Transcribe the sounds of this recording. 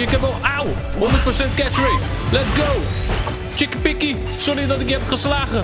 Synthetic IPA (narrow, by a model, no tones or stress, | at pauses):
əkɛ̃nolˠaw | ɦɔ̃ndət̚pəɹsɛntkɛtɹejt | lɛtsɡow | t͡ʃɪkpɪki | sɔɹidɑtɪkjəɛpχəslaːχə